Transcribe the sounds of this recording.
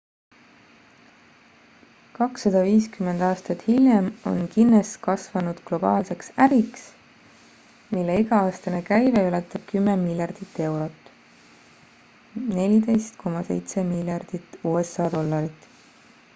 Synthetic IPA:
kɑksːɑd̪̥ɑviːskyme̞nd̪̥ɑːst̪ɑt̪hilʲjemo̞̰nkinːeskɑsvɑnud̪̥klo̞b̥ɑ̰ːlse̞ksæɾiks | milːe̞iɡɑɑːst̪ɑne̞kæjveylet̪ːˑɑb̥̚kymːemilʲjɑrd̪̥it̪ːe̞wɾo̞t̪ːˑ | ne̞lʲid̪e̞jst̪kʰo̞mɑse̞̰jt̪se̞milʲjɑrd̪̥it̪ːˑuːesːɑːd̪̥o̞lːɑɾit̪ːˑ

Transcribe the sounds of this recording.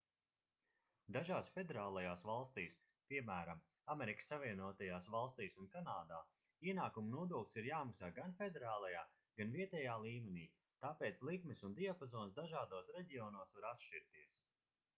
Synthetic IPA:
d̪aʒaːsfe̞d̪eɾaːlˠajaːsvalˠst̪iːs | piɛmæːɾam | ameɾikə̥sːaviɛnuɔt̪ajaːsvalˠst̪iːsunkanaːd̪aː | iɛnaːkumunuɔd̪uɔklʲsiɾjaːmaksaːɡanfed̪eɾaːlˠajaː | ɡ̥anviɛt̪ɛjaːlˠiːmeniː | t̪aːpeːt̪slˠikmisund̪iapazɔːnsd̪aʒaːd̪uɔsɾɛɟiɔːnuɔsvaɾat̪ʃt͡ʃiɾt̪iɛs

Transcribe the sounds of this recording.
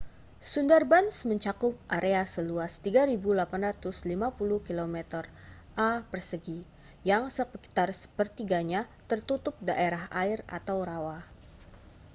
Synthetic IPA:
sundarbansməɲt͡ʃakʊp̚ʔaɾʔeasəluast̪iɡaɾibulapanrat̪ʊslimapuluhkilomɛt̪ər | ʔapərsəɡi | jaŋsəpəki̥t̪arsə̥pərt̪iɡaɲat̪ərt̪ut̪ʊp̚daʔeɾaɦaɪra̰t̪awɾawah

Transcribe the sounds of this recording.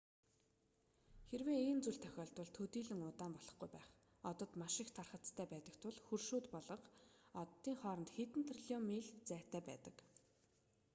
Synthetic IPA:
xerweːeːnt͡suɮt̪ʰœ̥xʲɔːɮt̪wʊ̆ɮt̪ʰɵt̪iːɮɘ̆ŋʊt̪aːmpɔɮɞ̆χɡujpæːχ | ɔt̪ɞ̆t̪maʃɪ̆kt̪ʰarχə̆tt͡st̪ʰæːpæːt̪ə̆kt̪ʰʊɮxɵrʃuːt̪pɔɮɞ̆qɔt̪ːiːŋχɔːɾɞnt̪xet̪ɘ̆nt̪ʰriɮiɔmiːɮt͡sæːrʰt̪ʰæːpæːt̪ə̆k

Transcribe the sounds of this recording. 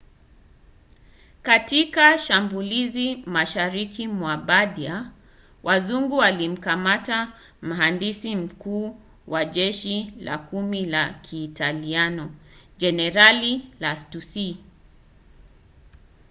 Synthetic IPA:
katikaʃambulizimaʃaɾikʰimwaɓadia | wʔazuŋɡuwalim̩kamata | m̩ɦandisim̩kuː | waʄɛʃila̰kumilakʰiːtalianɔd͡ʒɛnɛɾalilastusi

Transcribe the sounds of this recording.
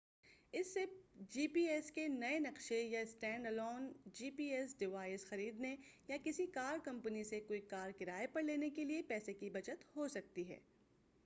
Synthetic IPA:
ɪsːed͡ʒiːpiːɛskenɐenɐqʃejaɪsʈɛ̃ːɳɖɐlɔːnd͡ʒiːpiːɛsɖɪʋaːɪsxɐɾiːd̪nejakɪsikaːɾkɐ̃mpənisekoːikaːɾkɪɾaːepɐɾleːnekeliepɛːsekibɐt͡ʃət̪hosɐk̚t̪iɦɛ̰ː

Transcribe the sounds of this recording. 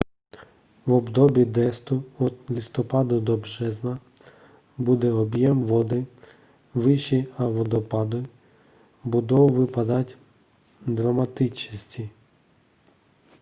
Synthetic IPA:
ʋɔbd̪ɔbʲid̪ɛst̪ʊɔlʲist̪ɔpɑd̪ʊd̪ɔbʒɛznɐ | bud̪ɛɔbjɛmʋɔd̪ɪ | ʋɪʃiɐʋɔd̪ɔpɑd̪ɔ | bud̪ɔwʋɪpɐd̪ɐtʲ | d̪ɾɐmɐt̪ɪt͡ʃisʲtʲi

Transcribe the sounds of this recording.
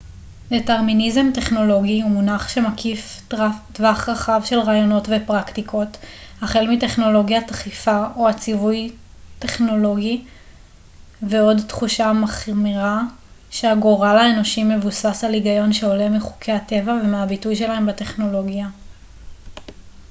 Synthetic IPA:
deteʁminize̞mte̞χno̞lo̞ɡiumunaχʃe̞makʰiftvaχʁaχavʃe̞lʁaːjo̞no̞tve̞pʁaktikʰo̞thaχe̞lmite̞χno̞lo̞ɡjataχifaoat͡sivuj | te̞χno̞lo̞ɡi | veo̞dtχuʃamaχmiʁa | ʃeaɡoʁalaeno̞ʃimːe̞vusasaliɡajo̞nʃeo̞le̞miχu̥kʰe̞jate̞vave̞meabitujʃe̞lae̞mbate̞χno̞lo̞ɡja

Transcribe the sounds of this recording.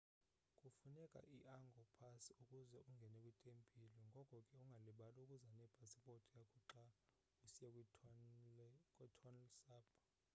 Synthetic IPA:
kʼufunɛkʼa̰ʔiʔaŋɡʱɔkʼupʰasiukʼuzɛuŋɡʱɛnɛkʼwitʼempʰʼilɔŋɡʱɔkʼɔkʼɛuŋɡʱaliɓalukʼuzanɛb̥ʱasiɓɔtʼijakʼuǁa | usijɛkʼ | kʼwɛtʰɔnsaːpʰʼa

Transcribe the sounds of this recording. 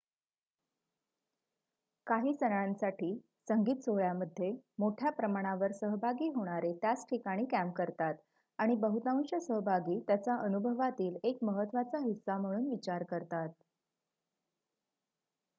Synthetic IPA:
kaɦiːsənɭãnsaʈʰiː | səŋɡiːt̪t͡soɭjaməd̪ʱːjemoʈʰjapɾəmaɽ̃aʋəɾsəɦbʱaɡiːɦoɽ̃aɾet̪jat͡sʈʰikaɽ̃iːkæmkəɾt̪at̪ | aɽ̃ibəɦut̪ãw̃ɕəsəɦbʱaɡiːt̪jat͡saʔənubʱəʋat̪iːlekməɦət̪ːʋat͡saɦisːam̤əɽ̃uːnʋit͡ɕaɾkəɾt̪at̪̚

